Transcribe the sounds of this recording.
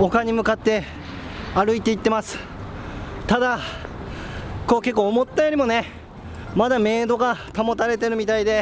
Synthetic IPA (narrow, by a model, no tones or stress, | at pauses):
o̞kaɲ̟imɯ̟kat̪ːe̞ | aɾɯ̟it̪e̞it̪ːe̞masɨ̥ | t̪ad̪a | ko̞ːke̞kːo̞ːmot̪ːajo̞ːɾimo̞ne̞ | mad̪ame̞ːd̪o̞ɡat̪amo̞t̪aɾe̞t̪e̞ɾɯ̟mʲit̪aid̪e̞